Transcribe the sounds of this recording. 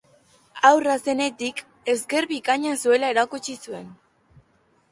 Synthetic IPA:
awrase̞ne̞t̪ik | e̞zɡe̞ɾβikaɲasue̞lae̞ɾakut͡ʃisue̞n

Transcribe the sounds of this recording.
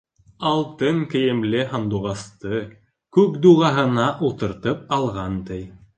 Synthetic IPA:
ɑlˠt̪ɤŋkɘ̆jɘ̆mlɘɦɑnd̪uʁɑst̪ɤ | kʉkd̪uʁɑɦɤ̆nɑʔulˠt̪ɤ̆ɾt̪ɤp̚ɑlˠʁɑnt̪ɘj

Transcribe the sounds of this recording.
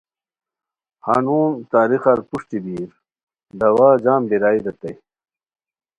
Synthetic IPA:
ha̰ːnuːnt̪aːɾixɐɾpuʂt̪ib̪iːɾ | d̪ɐwaːd͡ʑaːmbiɾaːiɾɐt̪ɐj

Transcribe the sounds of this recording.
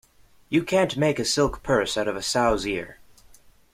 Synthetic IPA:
jɨkʰæ̃nʔmeɪkɨsɪlˠkpʰɜ˞saʊɾʌvɨsaʊzɪɹ

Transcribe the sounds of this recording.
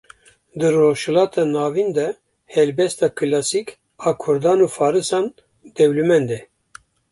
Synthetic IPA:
d̪ɨroːʃhɛlɑːt̪ʰɑːnɑːvind̪ɛ | hɛlbɛst̪ɑːkʰɨlɑːsik | ɑːkʰʊɾd̪ɑːnuːfɑːɾɨsɑːn | d̪ɛwlumɛnd̪ɛ

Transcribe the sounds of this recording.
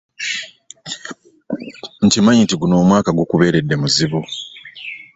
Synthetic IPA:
n̩timaɲitiɡuno̞ːmwaːkaɡokuβe̞ːɾe̞dːe̞muziβu

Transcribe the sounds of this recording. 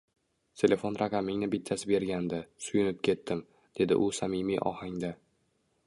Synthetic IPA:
t̪ʰe̞lʲe̞fonɾʔɑqʰɑmɪŋnɪbɪt̪ʰːasɪbe̞ɾɡʲand̪ɪsʊjʊnɪp̚kʲʰe̞t̪ːɪm | d̪̥e̞d̪ɪ̰ʔʊsamimḭʔɒ̰haŋd̪a

